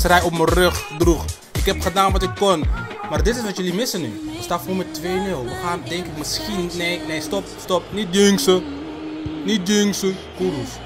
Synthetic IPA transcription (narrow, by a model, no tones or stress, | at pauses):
srɛjɔpmərøχdrux | ɪkɦɛpχədaːnʋɑtɪkːɔn | maːrdɪtɪsʋɑtjəlimɪsənːystatfomɛtʋeːmɪlˠʋəxaːndɛŋkɪkmɪskinnɛnɛjstɔp̚stɔp̚nit̚døŋsə | nit̚djøŋsəkuɾuf